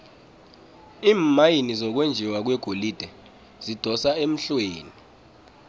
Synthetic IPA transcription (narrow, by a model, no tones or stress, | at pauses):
iːmajinizɔk̬wend͡ʒʱiwak̬wɛɡ̥ʱolid̥ʱɛ | z̥id̥ʱɔsaem̩ɬweːni